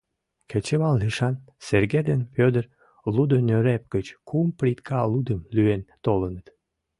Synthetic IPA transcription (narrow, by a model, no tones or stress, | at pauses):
ket͡ɕeβɑlːiʃɑn | serɡed̪enpʲød̪ər | lud̪onøɾep̚ɡ̥ət͡ɕkumpɾʲit̪kʰɑlud̪əmlyent̪olənət̪